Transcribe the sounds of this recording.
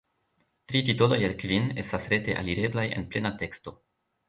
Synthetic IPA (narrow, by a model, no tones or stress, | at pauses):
tɾitito̞do̞jelkvine̞stasɾe̞teʔa̰liɾe̞blaje̞̰nplenate̞ksto̞